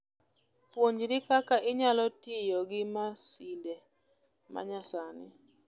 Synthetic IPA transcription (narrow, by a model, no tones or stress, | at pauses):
pwoɲd͡ʒɾɪkakaʔɪɲalɔtɪjɔɡɪmasindɛ | ma̰ɲasanɪ